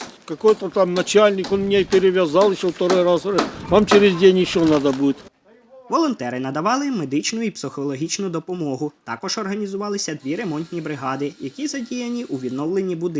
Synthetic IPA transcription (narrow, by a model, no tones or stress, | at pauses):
kɐkojt̪ɐt̪amnɐt͡ɕalʲnʲɪkɔnmnʲeipʲɪɾʲɪʋʲɐzɑlˠjɪʃoft̪ɐɾojɾasʋamt͡ɕɪɾʲɪzʲdʲenʲɪɕonad̪ɐbudʲɪt̪ʲ | ʋɔlˠɔnt̪ɛɾɪnɐd̪ɐʋɑlˠɪmed̪ɪt͡ʃnʊipsɪxɔlˠɔɦʲit͡ʃnʊd̪ɔpɔmɔɦʊt̪ɑkɔʒɔrɦɐnʲizʊʋɑlˠɪsʲɐd̪ʋʲiɾe̞mɔnʲt̪ʲnʲibɾɪɦɑd̪ɪjɐkʲizɐdʲijɐnʲiʔuʋʲid̪nɔwlˠenʲːibʊd̪